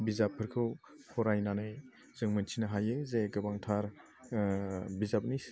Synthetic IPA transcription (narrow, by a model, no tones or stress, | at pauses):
bizapʰːɯɾkʰɯw | pʰɔɾajnanɯj | z̥ɯŋmɯnt͡ʃʰinaɦajɯzeɡɯbaŋtʰaɾ | bizap̚nis